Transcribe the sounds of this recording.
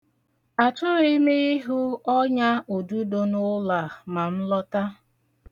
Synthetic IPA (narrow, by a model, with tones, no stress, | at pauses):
a˨t͡ʃʊ˦ɾi˦me˦i˦ɦu˦ɔ˦ɲa˦o˨du˦do˦nʊ˦la˨ma˨m̩˦lɔ˦ta˦